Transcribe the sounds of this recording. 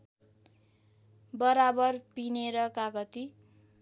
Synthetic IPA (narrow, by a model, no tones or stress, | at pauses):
bʌɾabʌrpineɾʌkaɡʌt̪i